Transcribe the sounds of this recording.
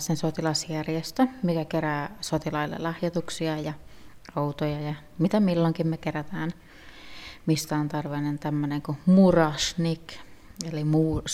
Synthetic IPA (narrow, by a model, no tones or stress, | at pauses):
sensot̪ilɑsjærjest̪ømikækeræːsot̪ilɑilːḛlɑhjɑt̪uksiɑjɑout̪ojɑjɑ | mit̪æmilːoŋkimmekeræt̪æːn | mist̪æont̪ɑrʋenent̪æmːøneŋkumurɑʃnikelimuːs